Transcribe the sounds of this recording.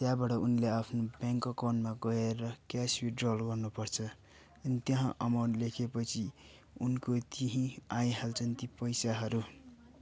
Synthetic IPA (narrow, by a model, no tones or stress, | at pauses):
t̪jabaʈʌunleapʰnobjaŋkʌkonmaɡʌeɾʌkaswiɖrolɡʌrnupʌrt͡sʰʌ | ʌnit̪jʌɦãʔʌmawnlekʰepʌt͡sʰi | unkot̪iɦĩajɦalt͡sʰʌnt̪ipʌjsaɦʌɾu